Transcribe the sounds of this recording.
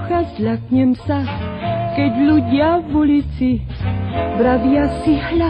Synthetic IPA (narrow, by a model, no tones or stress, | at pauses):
xazlakɲɛmsakɛɟluɟɪavulit͡si | bɾavjasiɦla